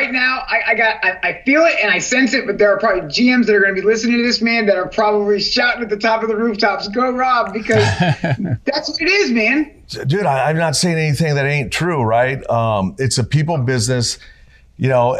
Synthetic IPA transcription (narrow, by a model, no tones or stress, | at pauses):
aɪtⁿnaʊʔaɪʔaɪɡɑɾaɪaɪfilˠɪtɨ̃naɪsɛ̃nsɨt̚b̥ʌt̪̚ðə˞ːpʰɹ̥ɑbəblid͡ʒiɛ̃mzðɨɾə˞ɡʌ̃nɨbilɪsnɪ̃ŋtɨðɪsmæ̃nðɨɾə˞pʰɹ̥ɑbəbliʃɑʊɾ̃nɨt̪̚ðɨtʰɑpʌvðəɹʉftʰɑpsɡoʊɹɑb̚bɨkʰʌz | ðætswʌɨɾɪzmæ̃n | dʉɾaɪãɪ̃mnətseɪɪ̃ŋɛniθɪ̃ɪŋðɨɾẽɪ̃ntʰɹ̥uɹaɪt̚ʌ̃mɨtsɨpipl̩ˠbɪznɨs | jɨnoʊ